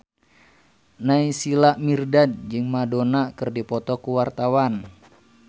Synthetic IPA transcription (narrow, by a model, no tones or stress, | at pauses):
naisilaʔmirdad̚d͡ʒɨŋmadonakɨrdipɔt̪ɔkuwart̪awan